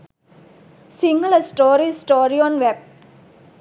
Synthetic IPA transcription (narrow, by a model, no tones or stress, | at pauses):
siŋɡɐlɐsʈoːɾisʈoːɾionʋeb̚